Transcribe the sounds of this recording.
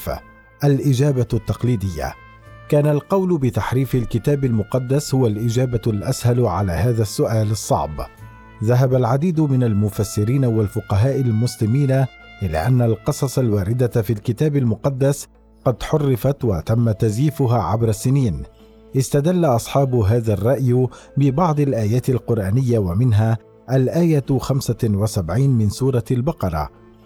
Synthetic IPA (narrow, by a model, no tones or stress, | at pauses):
ʔalʔɪd͡ʒaːbat̪ːɑqliːd̪ɪjːa̰ | kaːnalqɑwlʊbɪt̪aħɾiːfɪlkɪt̪aːbalmʊqɑd̪ːashʊwalʔɪd͡ʒaːbalʔashalʕalaːhaːðasːʊʔaːlɨsˤːɑ̰ʕb | ðaɦabalʕad̪iːd̪ʊmɪnalmʊfasːɪɾiːnawalfʊqɑɦaːʔɪlmʊslɪmiːna | ʔɪla̰ːʔanːalqɨsˤɑsˤɑlwaːɾɪd̪afiːlkɪt̪aːbalmʊqɑd̪ːas | qɑd̪ħʊrːɪfat̪wat̪amːat̪azjiːfʊɦaːʕabɾˤasːɪniːn | ʔɪst̪ad̪alːaʔɑsˤħɑːbʊɦaːðarˤːɑʔj | bɪbɑʕd̪ˤalʔaːjaːt̪alqʊɾˤʔaːnɪjːawamɪnɦaː | ʔalʔaːjaxamsawasabʕiːnmɪnsuːɾˤɑlbɑqɑɾˤɑ̰